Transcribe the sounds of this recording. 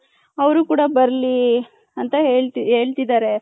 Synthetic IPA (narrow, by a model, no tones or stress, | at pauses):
ɐʋɐɾukuːɽɐbɐɾli | ɐnt̪ɐɦeːɭt̪iɦe̞ːɭt̪id̪aːɾe̞